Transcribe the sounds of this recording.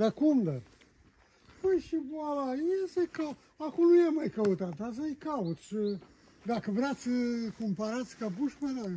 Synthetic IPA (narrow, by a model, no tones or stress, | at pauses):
d̪akumd̪a | həjʃiboalaiasəjka | akonujamajkəut̪at̪as̬ajkaut̪ʃɨ | d̪akəvɾat̪sʲəkompaɾat̪sʲkapuʃped̪a